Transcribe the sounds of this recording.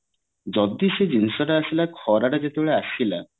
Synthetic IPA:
d͡ʑɔd̪ːiʃed͡ʑinʃoʈaaʃilakʰɔɾaʈad͡ʑet̪oɭeaʃila

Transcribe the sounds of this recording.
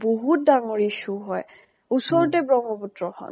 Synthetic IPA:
boɦut̚daŋɔɹiʃuɦɔj | usɔɹt̬ɛbɹɔŋɡɔputɹɔhɔ̰n

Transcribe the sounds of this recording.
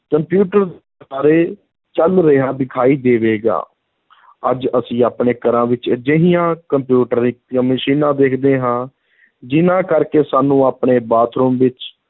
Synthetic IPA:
kəmpjuːʈəɾd̪ | aːɾeː | t͡ʃəlɾəɦaːd̪ɪkʰaːiːd̪eːʋeːɡa̰ː | əd͡ʒəsĩːaːpɳeːkəɾãːʋɪt͡ʃd͡ʒəɦɪjãːkəmpjuːʈəɾiãːməʃiːnãːd̪eːkʰd̪eːɦãː | d͡ʒɪnãːkəɾkeːsaːnũːaːpɳeːbaːt̪ʰɾuːmʋɪt͡ʃ

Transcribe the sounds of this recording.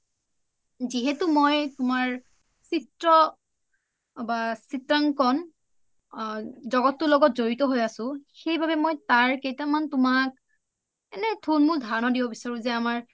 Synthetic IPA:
ziɦɛtʊmojtʊmaɹ | sitɹɔ | basitɹaŋkɔn | zɔɡɔtːʊlɔɡɔt̚zoɹitɔɦojasʊ̃xejbabɛmɔjtaɹkejtamantʊmak̚ | ɛnɛtʰunmudʱanɔdibɔbisaɹũzɛamaɹ

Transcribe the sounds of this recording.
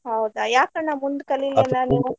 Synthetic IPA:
ɦɐwd̪ajaːkɐnːamund̪ukɐlːilːɐnaniːʋu

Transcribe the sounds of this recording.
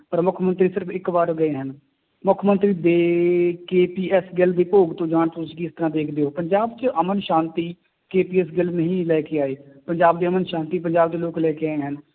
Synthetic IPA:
pəɾmʊkʰmənt̪ɾiːsɪɾəpʰɪkbaːɾɡəeːɦən | mʊkʰmə̃nt̪ɾiːd̪eːkeːpiːɛsɡɪld̪eːpoːɡt̪õːd͡ʒãːɳ̃t̪ʊsĩːkiɪst̪əɾãːd̪eːkʰd̪eːɦoːpəɲd͡ʒaːbt͡ʃəʔəmənʃãːnt̪iː | keːpiːɛs̬ɡɪlnəɦĩːlɛːkeːaːeːpəɲd͡ʒaːb̚d̪eːəmənʃãːnt̪iːpəɲd͡ʒaːb̚d̪eːloːklɛːkeaːeɦən

